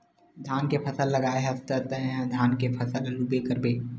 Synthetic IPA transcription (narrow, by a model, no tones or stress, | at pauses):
d̪ʱaːnkepʰɐsəlːəɡaːeɦɐst̪ət̪əɦɦɛ̃d̪ʱaːnkepʰɐsəllubekəɾbeː